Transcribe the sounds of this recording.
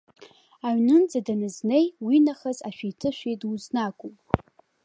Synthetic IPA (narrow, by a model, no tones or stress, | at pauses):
aɥnɨnd͡zadanɨzne̞jwinaχazaʃʷᶣijtʰɨʃʷᶣijduznakʷʼupʼ